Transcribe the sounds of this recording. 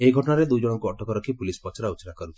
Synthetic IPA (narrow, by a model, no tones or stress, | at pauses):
eiɡʱɔʈɔɽaɾed̪ujd͡ʒɔɽ̃ɔŋkuɔʈɔkɔɾɔkʰipulispɔt͡ʃʰɔɾaut͡ʃɾakɔɾut͡ʃʰi̥